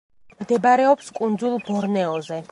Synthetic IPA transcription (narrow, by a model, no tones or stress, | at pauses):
md̪ɛbaɾɛɔpskʼund̪zulˠbɔɾnɛɔzɛ